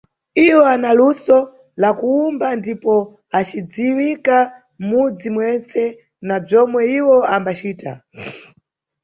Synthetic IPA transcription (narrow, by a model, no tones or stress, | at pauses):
iwɔanalusɔ | lakuumbandipɔ | at͡ʃid͡ziwika | m̩mud͡zimwɛnt͡sɛ | nab͡ʐɔmwɛiwɔambat͡ʃiːta̰